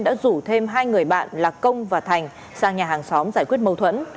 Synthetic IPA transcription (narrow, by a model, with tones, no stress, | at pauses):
nɗa̰ː˧˥zu˧˩t̪ʰe˧mɦaː˧jŋɨ˨˩əjɓa̰ː˧˨nlaː˨˩kə˧wŋ͡mvaː˨˩t̪ʰa˨˩jŋ̟ | saː˧ŋɲaː˨˩ɦaː˨˩ŋsɔ˨˦mzaː˧˩jkwi˦˥ət̚mə˧wt̪ʰwə̰˧˥n